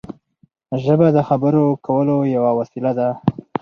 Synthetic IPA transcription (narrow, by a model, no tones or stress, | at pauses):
ʒəbad̪əxabəɾokʰawəlojawawasilad̪a